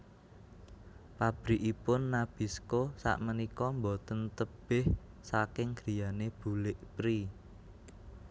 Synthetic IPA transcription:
pab̥ɾiʔipʊnːab̥iskosa̰ʔmənikɔmbot̪ənt̪əb̥ɪh | sakɪŋɡ̥ɾi̤janeb̥ṳlɪʔpɾi

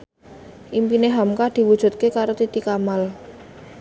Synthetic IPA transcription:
ʔimpineɦamkad̪̥i̤wud̥ʒ̥ṳt̪̚kekaɾot̪it̪ikamal

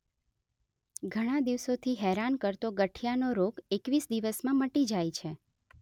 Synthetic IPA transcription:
ɡʱəɽ̃ad̪iʋsot̪ʰiɦɛɾankəɾt̪oɡəʈʰijanoɾoɡekʋisd̪iʋəsmãməʈid͡ʒajt͡ʃʰe

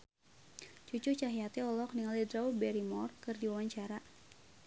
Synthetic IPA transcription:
t͡ʃut͡ʃut͡ʃaɦiat̪iɔlɔk̚niŋalidɾaubɛɾimɔrkɨrdiwawaɲt͡ʃaɾa

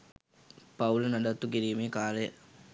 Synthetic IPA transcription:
paulənaɖat̪ːukiɾiːmeːkaːləjə̰

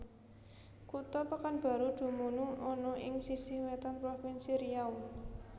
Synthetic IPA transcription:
kut̪ɔpakanb̥a̤ɾud̪̥ṳmunuɔnɔʔɪŋsisɪhwet̪anpɾɔfɪnsiɾijaw

